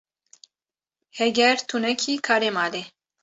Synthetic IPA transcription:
hɛɡɛɾt̪ʰunɛkʰiːkʰaːɾemaːle

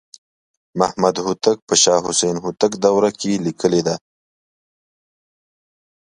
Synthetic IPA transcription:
mahmɐd̪ɦʊt̪ək̚pəʃɑːɦʊsejnɦʊt̪əkd̪awɾakelikəled̪a

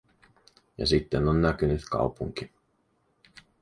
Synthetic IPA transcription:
jɑ̰sit̪ːenonːækynyt̪kɑ̰wpuŋk̟i

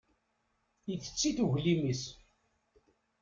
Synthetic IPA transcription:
iθə̥t͡sːiθuʝlimis

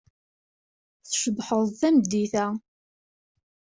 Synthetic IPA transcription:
θʃəbħəðˤθæmd̪ːiθæ

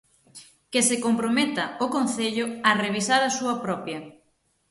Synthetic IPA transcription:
kɪsekompɾomet̪ɐokonθeʎʊɐreβ̞isaɾɐsuɐpɾɔpjɐ

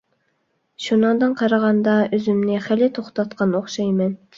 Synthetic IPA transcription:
ʃunɨŋd̪ɨnqʰɑɾɑʁɑnd̪ɑøzymnɪχælɪt̪ʰoχt̪ɑt̪qɑnoχʃɑjmɛn

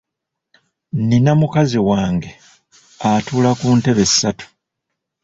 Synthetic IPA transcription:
ninamukaziwaːŋɡe̞ | atuːlakuːnte̞βe̞si̥sːatu̥

